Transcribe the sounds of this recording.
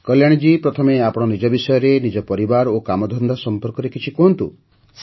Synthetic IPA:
kɔljaɽ̃id͡ʒipɾɔt̪ʰɔmeapɔɽ̃ɔnid͡ʒɔbisɔjɔɾenid͡ʒɔpɔɾibaɾokamɔd̪ʱɔnd̪ʱasɔmpɔɾkɔɾekit͡ʃʰikɔɦnt̪u | s

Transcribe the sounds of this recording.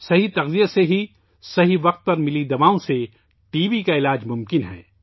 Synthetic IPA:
sɐɦit̪ɐɣzijaseɦi | sɐɦiʋɐq̚t̪̚pɐɾmɪlid̪ɐʋaːõse | ʈiːʋikaɪlaːd͡ʒmʊ̃mkɪnɦɛ̰ː

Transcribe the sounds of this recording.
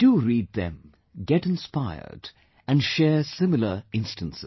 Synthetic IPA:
d̥uɾiːd̪̚ðɨ̰̃m | ɡɛɾɨ̃nspaɪə̰ɹd | ɨ̃nʃɛːɹsɪ̃mɪl̩ə˞ɪ̃nstə̃nsɨ

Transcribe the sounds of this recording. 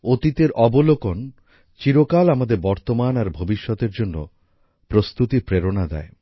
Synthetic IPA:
ot̪it̪eɾʔɔbolokon | t͡ɕiɾokalamad̪eɾbɔɾt̪omanaɾbʱobiʃːɔt̪eɾd͡ʑonːo̰ | pɾost̪ut̪ipɾeɾonad̪ɛ̰e

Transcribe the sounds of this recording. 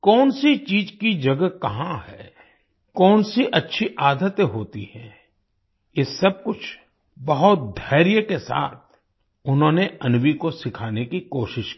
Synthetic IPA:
kɔːnsit͡ʃiːd͡ʒkid͡ʒɐɡəkɐɦãɦɛː | kɔːnsiʔɐtːʃʰiʔaːd̪ʱət̪jɦoːt̪ḭhɛ̃ː | jɪsːɐb̚kʊt͡ʃʰ | bɐɦʊt̪̚d̪ʱɐːɾjəkesa̰ːt̪̚ʰ | ʊnɦõːneɐnwikosɪkʰaːnekikoːʃɪʃki

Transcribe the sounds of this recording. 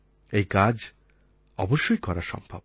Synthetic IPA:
ejkad͡ʑ | ɔ̰boʃːojkɔɾaʃɔ̰mbʱa̰b

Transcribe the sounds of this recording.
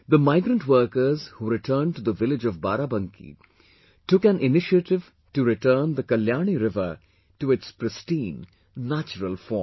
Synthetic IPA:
d̪əmaɪɡɾə̃ɳʈwəɾkəɾzhuɾɪʈʰəːnɖ̚ʈud̪əʋɪlɪd͡ʒɔvbaːɾabə̃ŋkʰḭ | ʈʊkæ̃nɪnɪʃiəʈɪʋ | ʈuɾɪʈəːnd̪əkɐljaːniɾɪʋə | ʈuɪtspɾɨsʈĩːnː | æt͡ʃəɾəlˠfɔ

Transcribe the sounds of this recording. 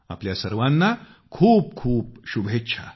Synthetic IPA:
a̰pljasəɾʋãnːa | kʰuːp̚kʰuːp̚ɕubʱetːɕʰa̰

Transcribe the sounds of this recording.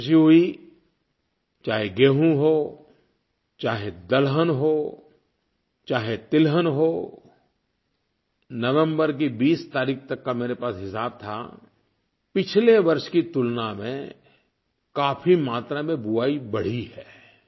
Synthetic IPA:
ʃiɦʊi | t͡ʃaːɦeɡeːɦũɦoː | t͡ʃaːɦed̪əlɦənɦoː | t͡ʃaːɦet̪ɪlɦənɦoː | nəʋə̃mbəɾk̬ibiːst̪aːɾiːk̚ʰt̪ɐkːameːɾepaːsɦɪsaːb̚t̪ʰa̰ | pɪt͡ʃʰleʋɐɾʃkit̪ʊlnamḛ̃ | kaːpʰimaːt̪ɾamẽbʊaːibɐɽ̤iɦɛː

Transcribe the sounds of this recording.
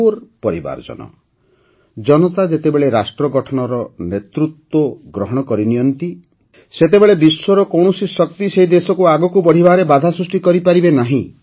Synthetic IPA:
ɾpɔɾiba̰ɾd͡ʒɔ̰nɔ̰ | d͡ʒɔnɔt̪ad͡ʒet̪ebeɭeɾasʈɾɔɡɔʈʰɔnɔɾɔnet̪ɾut̪wɔɡɾɔɦɔɽ̃ɔkɔɾinijɔnt̪i | set̪ebeɭebiswɔɾɔkɔwɳ̃ɔsisɔk̚t̪iseɦid̪esɔkuaɡɔkubɔɽ̤ibʱaɾebad̪ʱasɾusʈikɔɾipaɾibenaɦĩ

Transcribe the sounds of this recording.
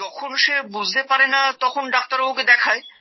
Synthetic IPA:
ɔkʰonʃebud͡ʑʱt̪epaɾenat̪ɔkʰonɖak̚t̪aɾowked̪ɛkʰae

